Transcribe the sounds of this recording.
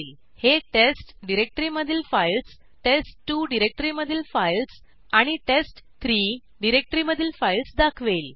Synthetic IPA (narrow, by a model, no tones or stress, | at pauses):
l | heʈesʈɖiɾek̚ʈɾiməd̪ʱilfajls | ʈesʈʈːuːɖiɾek̚ʈɾiməd̪ʱilfajls | aɽ̃iʈesʈ | t̪ʰɾiː | ɖiɾek̚ʈəɾiməd̪ʱilfailsd̪akʰʋel